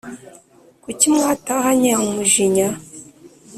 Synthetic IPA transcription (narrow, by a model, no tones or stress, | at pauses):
kucimŋaːtahaɲehumuʒiɲa